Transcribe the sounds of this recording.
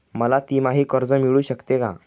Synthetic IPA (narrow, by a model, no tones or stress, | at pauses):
məlat̪iːmaɦiːkəɾd͡zəmiɭuːɕəkt̪eka̰